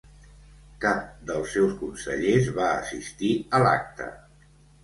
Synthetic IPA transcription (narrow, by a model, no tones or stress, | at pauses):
kap̚d̪əlˠsːewskunsə̰ʎezβaəsist̪iəla̰k̚t̪ə̰